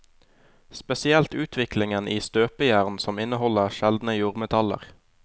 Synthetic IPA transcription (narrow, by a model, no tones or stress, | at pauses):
spɛsɪɛlt̪ʉːt̪ʰʋɪklɪŋənʔiːst̪øːpəjæːʁnsɔmɪnəhɔləʁʃɛld̪n̩əjuːʁmɛt̪ʰɑlə̰ʁ